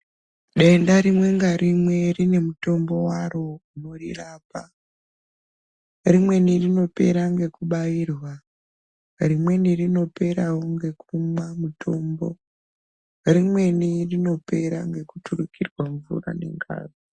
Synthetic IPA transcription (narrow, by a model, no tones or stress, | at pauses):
ɗe̞ndaɾimwe̞ŋɡarimwe̞rine̞muto̞mbo̞waro̞uno̞riraːpa | rimwe̞nirino̞pe̞ɾaŋɡe̞kuɓaiːrwa | rimwe̞nirino̞pe̞ɾawoŋɡe̞kumamutʰo̞ːmbo̞̰ | rimwe̞nirino̞pe̞ɾaŋɡe̞kutʰurukʰirwaɱvṵra̰ne̞̰ŋɡa̰ːri